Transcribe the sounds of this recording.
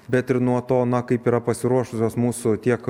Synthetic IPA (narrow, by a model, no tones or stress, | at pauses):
bʲɛt̪ɪɾnuɔt̪oːnɐkɐɪpiːɾɐpɐsʲɪɾuɔʃʊsʲoːsmuːsʊt̪ʲiɛk